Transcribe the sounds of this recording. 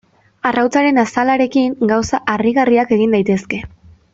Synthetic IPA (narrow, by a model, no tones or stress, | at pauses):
arawt͡saɾe̞nasalaɾe̞kiŋɡawsaʔariɣariake̞ɣind̪ajt̪e̞ske̞